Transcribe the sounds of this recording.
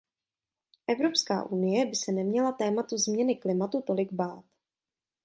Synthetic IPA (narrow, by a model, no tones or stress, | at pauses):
ʔɛvɾo̞pska̰ːʔunɪjɛbɪsɛnɛmɲɛlat̪ɛːmat̪uzmɲɛnɪklɪmat̪ut̪o̞lɪɡbaːt̪